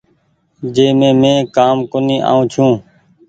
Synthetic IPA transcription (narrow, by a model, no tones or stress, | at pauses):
d͡ʒeːmẽːmẽːkaːmkoːniːʔa̰ːũːt͡ʃʰũː